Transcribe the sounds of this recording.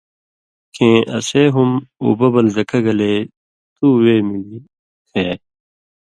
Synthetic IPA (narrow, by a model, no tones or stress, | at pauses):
kʰẽːʔɐ̰seːɦumṵbɐbɐlzɐkʰɐɡɐleː | t̪uːweːmili | t̪ʰeː